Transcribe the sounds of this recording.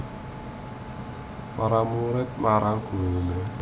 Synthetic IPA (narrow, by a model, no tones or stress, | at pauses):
paɾamuɾɪt̪̚maɾaɡ̥o̤ine